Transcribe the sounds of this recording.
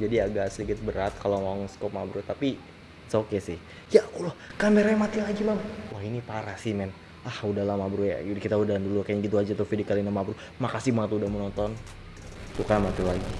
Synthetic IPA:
d͡ʒadiaɡaʔsəliɡɪt̪̚bəɾat̪̚kalomaaŋskɔp̚mabɾut̪api | sokesɪh | jakulɔhkamɛɾɲamat̪ilaɡimaŋwahinipaɾasɪmɛn | ahudahlamabɾuja̰kit̪audandulukaɲaɡit̪̬uad͡ʒat̪ufidikalinamabɾu | makasɪhmaŋat̪udahmənɔnt̪ɔn | tukanmat̪ɪlaɡi

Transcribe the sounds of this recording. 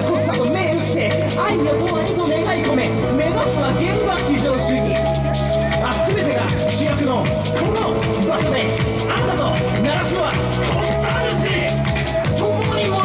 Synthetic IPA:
kokɯ̥sat̪omeɯt̪ːe | aijot̪ookit̪oneɡaiko̞me | me̞zasoβaɡẽ̞mbaɕid͡ʑoːɕɨːɲʲi | aazime̞t̪e̞ɡa̰ | ɕijakɯ̟ɾõ | kʰono | baɕo̞d̪e | asat̪o | naɾakɯβa | o | saɾaɕiː | tõnoɲʲimo

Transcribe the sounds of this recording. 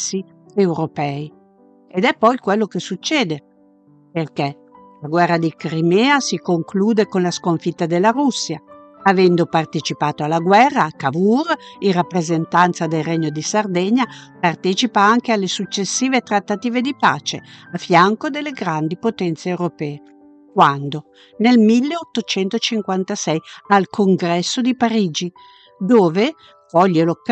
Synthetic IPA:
si | ewɾopɛi | ed̪ɛpːɔjkwelːokesut͡ʃːɛːd̪e | perkɛ | laɡwɛrːad̪ikɾimɛːasikoŋkluːd̪ekonlaskoɱfit̪ːad̪elːaɾusːja | avɛnd̪opart̪et͡ʃipaːt̪oalːaɡwɛrːakavurirːapːɾezent̪ant̪sad̪elreɲːod̪isard̪ɛɲːapart̪ɛt͡ʃipaaŋk̟ealːesut͡ʃːesːiːvet̪ɾat̪ːat̪iːved̪ipa̰ːt͡ʃeafjaŋkod̪elːeɡɾand̪ipot̪ɛnt̪seewɾopɛːe | kwand̪o | nelmilːeot̪ːot͡ʃɛnt̪ot͡ʃiŋkwant̪asɛjalkʰoŋɡɾɛsːod̪ipaɾiːd͡ʒi | d̪oːve | kɔʎːelok

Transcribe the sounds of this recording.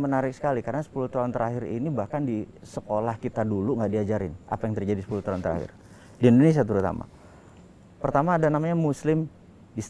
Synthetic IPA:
mənaɾɪk̚sə̥kalikaɾənasə̥puluht̪aɦʊnt̪əɾaɦɪɾḭnibahkandi | səkolahkit̪aduluŋɡaʔdiad͡ʒaɾɪnʔa̰pajaŋt̪ərd͡ʒadisə̥puluht̪aʊnt̪əɾa̰hɪ̰r | diindones̬iat̪̬əɾut̪a̰ma̰ | pərt̪amaːdanamaɲamuslɪm | dis

